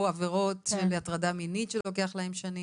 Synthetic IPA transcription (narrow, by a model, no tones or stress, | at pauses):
aveʁo̞tʃeleatʁadaminitʃelo̞k̬e̞aχlae̞mʃani